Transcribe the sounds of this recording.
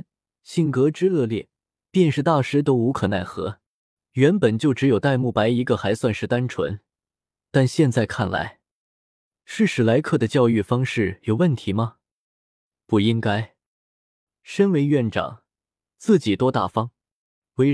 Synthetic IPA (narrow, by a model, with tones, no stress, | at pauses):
ɕi˥˩ŋkɤ˧˥ʈ͡ʂɻ̩˥ɤ˥˧ljɛ˥˩ | pjɛ˥˧nʂɻ̩˥˧t̪a˥˩ʂɻ̩˥t̪̬o˥ʊu˧˥kʰɤ˨˩na˥˩ɪxɤ̰˧˥ | ɥɛ˧˥npə˨˩nt͡ɕjo˥˩ʊʈ͡ʂɻ̩˧˥jo˨˩ʊt̪a˥˧ɪmu˥˩pa˧˥ɪi˧˥ɡə˧xa˧˥ɪswa˥˧nʂɻ̩˥˩t̪a˥nʈ͡ʂʰwə̰˧˥n | t̪a˥˧nɕjɛ˥˧nt͡sa˥˩ɪkʰa˥˩nla̰˧˥ɪ | ʂɻ̩˥˩ʂɻ̩˧˩la˧˥ɪkʰɤ˥˩d̪ə˩t͡ɕjɑ˥˧ʊy˥˩fɑ˥ŋʂɻ̩˥˩jo˨˩ʊwə˥˩nt̪ʰi˧˥mɐ˧ | pu˥˩i˥ŋka˥ɪ | ʂə˥nwe˧˥ɪɥɛ˥˩nʈ͡ʂɑ̰˨˩˦ŋ | t͡sɹ̩˥˩t͡ɕi˨˩t̪wɔ˥t̪a̰˥˩fɑ˥ŋ | we˧˥ɪ